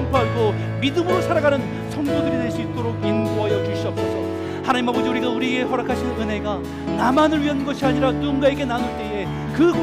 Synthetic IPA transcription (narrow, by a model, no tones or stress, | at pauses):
mpʰoɦaɡo | midɯmɯɾosʰaɾaɡanɯn | sʰʌŋdodɯɾidwe̞ɭs͈uit̚t͈oɾoɡinɡoɦajʌkiɭɕ͈uʌp̚s͈ʌsʌ | hanaɲimɦabod͡ʑiuɾiɡauɾieɡeɦʌɾakʰaɕʰinɯnɯnɦe̞ɡa | namanɯɭɥiɦanɯnɡʌɕʰiaɲiɾat͈uŋɡae̞ɡe̞nanoɭt͈e̞e̞ | kɯɡo